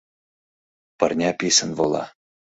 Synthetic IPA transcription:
pɤ̆rnʲɑpʲisʲɘ̆nvɤlˠɑ̰

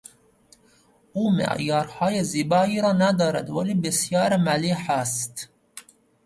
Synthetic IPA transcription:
uːmɪ̰ʕjɑːɾhɑːjezibɑːiɾɑːnad̪ɑːɾa̰t̪walibɪsjɑːɾmaliħast̪

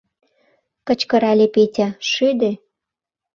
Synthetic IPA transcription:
kə̆t͡ɕkɤ̆ɾɑlʲepetʲæʃyd̪e

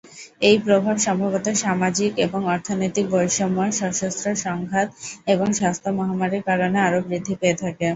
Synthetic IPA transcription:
ejpɾobʱabʃɔmbʱabot̪aʃamad͡ʑikeboŋɔɾt̪ʰonojt̪ik̚bɔjʃɔmɔeʃɔɾʃost̪ɾoʃɔŋɡʱat̪eboŋʃast̪ʰomɔɦamaɾiɾkaɾoneaɾobɾid̪ʱːipeet̪ʰake

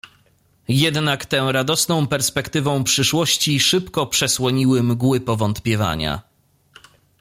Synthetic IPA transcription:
jɛd̪nakt̪ɛ̃ɾad̪ɔsnɔ̃w̃pɛɾspɛkt̪ɘvɔ̃w̃pʂɘʂwɔɕt͡ɕiʂɘpkɔpʂɛswɔɲiwɘmɡwɘpɔvɔnt̪pʲjɛva̰ɲa̰

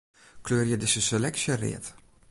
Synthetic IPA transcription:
kløːrjədɪsəsəlɛksjərḛːt

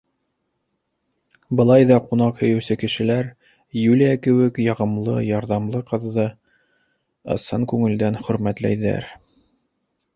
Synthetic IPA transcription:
bɤ̆lˠɑjðɑqunɑqhɵ̆jɘ̆wsɘkɘ̆ʃɘ̆læɾ | julʲiækɘ̆wɘkjɑʁɤ̆mlˠɤ̰jɑɾðɑmlˠɤqɤ̆ðːɤ | ɤ̰̆sɤŋkʉŋɘ̆ld̪ænχɵ̆ɾmæt̪læ̰jðæ̰ɾ

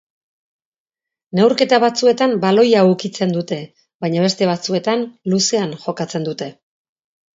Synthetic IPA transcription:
ne̞wɾke̞t̪aβat͡sue̞t̪ambalo̞jaukit͡se̞nd̪ut̪e̞ | βajɲaβe̞st̪e̞βat͡sue̞t̪anluse̞anʝo̞kat͡se̞nd̪ut̪e̞

